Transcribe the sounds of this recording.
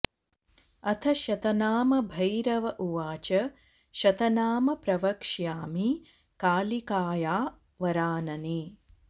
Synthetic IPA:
ɐt̪ʰɐʃɐt̪ɐnaːmɐbʱɐjɾɐʋɐʔuʋaːt͡ʃɐ | ʃɐt̪ɐnaːmɐpɾɐʋɐkʂjaːmi | kaːlikaːjaː | ʋɐɾaːnɐniː

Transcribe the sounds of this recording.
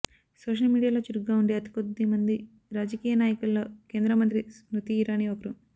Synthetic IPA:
soːʂ̬ɐlmiːɽijaːlo̞ːt͡ʃiɾuɡaːuɳɖeːɐt̪i̥kod̪ːimɐnd̪i | ɾaːd͡ʒɐkiːjɐnaːjɐkulːo̞ːkeːnd̪ɾɐmɐnt̪ɾisɾut̪iːɾaːniokɐɾu

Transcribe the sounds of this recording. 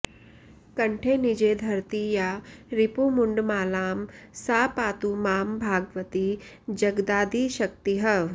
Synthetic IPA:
kɐ̃ɳʈʰeːnid͡ʒeːd̪ʱɐɾt̪ijaɾɪpumʊɳɖmaːlaːmsaːpaːt̪umaːmbʱaːɡʋət̪i | d͡ʒɐɡd̪aːd̪ʱiʃɐkt̪iɦɐ

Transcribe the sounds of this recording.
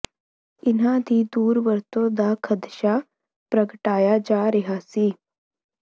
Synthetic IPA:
ɪnɦãːd̪ʱiːd̪uːɾʋəɾt̪õd̪akʰəd̪ʃa | pɾəkʈaːjad͡ʒaːɾɪɦasiː

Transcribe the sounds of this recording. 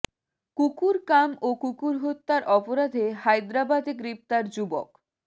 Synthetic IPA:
kukuɾkamokukuɾɦot̪ːaɾʔɔpoɾad̪ʱehajd̪ɾabad̪ʱeɡɾip̚t̪aɾd͡ʑubo̰k

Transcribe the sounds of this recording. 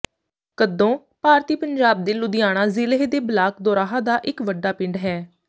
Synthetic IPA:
kəd̪õː | paːɾt̪iːpəɲd͡ʒaːb̚d̪eːlʊd̪ɪjaːɽ̃ãːzɪleɦed̪eːbəlaːkd̪ɔːɾaːɦãːd̪aːʔɪkʋəɖːaːpɪ̃ɳɖɦɛː

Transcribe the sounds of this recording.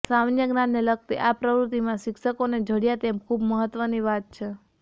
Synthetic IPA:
samnjəɡnanːelək̚t̪iʔapɾəʋɾut̪imãʃɪkʃəkoned͡ʒʱəɽjat̪emkʰubməɦət̪ʋəniʋat̪̚t͡ʃʰe

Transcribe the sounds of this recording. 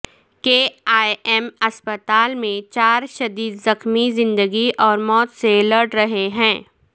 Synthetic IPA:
keːaːmɐspət̪aːlmẽt͡ʃaːɾʃɐd̪iːd̪zɐxmizɪ̃nd̪əɡiʔɔːɾmɔːt̪seləʈɾɐɦeɦɛ̃ː

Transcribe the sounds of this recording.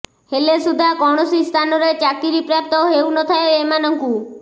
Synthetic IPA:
helesud̪ʱakɔɽ̃ɔsist̪ʰanɔɾet͡ʃakiɾipɾap̚t̪ɔɦewnɔt̪ʰaeemanɔŋku

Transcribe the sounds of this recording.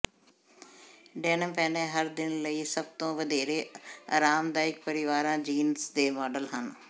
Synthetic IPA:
ɖɛːnəmpɛːnẽːɦəɾd̪ɪnləiːsəb̚t̪õːʋəd̪eːɾeːa̰ːɾaːmd̪aːɪk̚pəɾɪʋaːɾãːd͡ʒiːnsd̪eːmɔːɖəlɦən

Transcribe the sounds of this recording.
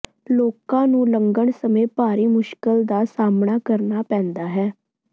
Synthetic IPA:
loːkãːnũːləŋɡəɳsəmẽːpaːɾiːmʊʃkəld̪aːsaːmɳaːkəɾnaːpɛ̃ːnd̪aːɦɛː

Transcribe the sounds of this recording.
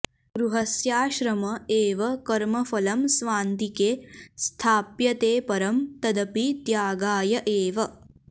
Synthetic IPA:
ɡɾuɦɐsjaːʃɾɐmɐeːʋɐkɐɾmɐfɐlɐmsʋaːnt̪ikeːst̪ʰaːpjɐt̪eːpɐɾɐmt̪ɐd̪ɐpit̪jaːɡaːjɐʔeːʋɐ

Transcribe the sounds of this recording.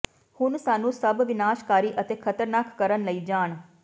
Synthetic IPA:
hʊnsaːnũːsəbʋɪnaːʃkaːɾiːʔət̪eːkʰət̪əɾnaːkːəɾənləiːd͡ʒaːɳ

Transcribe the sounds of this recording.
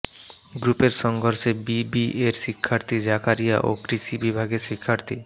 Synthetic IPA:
ɡɾupeɾʃɔŋɡʱoɾʃebibiʔeɾʃikʰːaɾt̪ʰid͡ʑakʰaɾija̰ʔo̰kɾiʃibibʱaɡeʃikʰːaɾt̪ʰi

